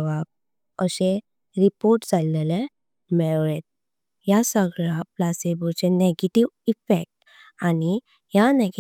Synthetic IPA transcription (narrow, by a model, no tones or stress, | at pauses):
ʋak̚ | əɕe | ɾipoɾʈd͡zalnele | mɛɭet̪̚ | jasəɡɭaplasebut͡seneɡeʈiʋifek̚ʈ | ani | janeɡ